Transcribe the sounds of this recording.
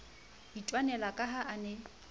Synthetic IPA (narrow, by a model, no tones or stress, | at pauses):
ditʼwanɛlakʼaɦaʔanɛ